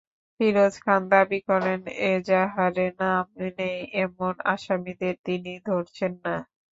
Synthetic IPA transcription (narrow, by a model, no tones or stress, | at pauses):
fiɾod͡ʑkʰand̪abikɔɾened͡ʑaɦaɾenaam̚ninejʔemona̰ʃamid̪eɾt̪inid̪ʱoɾt͡ɕʰenːa